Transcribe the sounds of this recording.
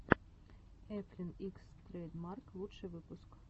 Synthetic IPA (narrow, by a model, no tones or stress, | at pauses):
ɛflʲinikst̪ɾɛjd̪mɑrklˠut̪ʃɪjʋɪpʊsk